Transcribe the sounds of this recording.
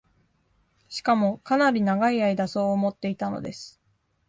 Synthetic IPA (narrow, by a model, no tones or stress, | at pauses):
ɕi̥kamo̞kanaɾʲinaɡaiaid̪aso̞ːmo̞t̪ːe̞it̪ano̞̰d̪e̞̰sɨ̥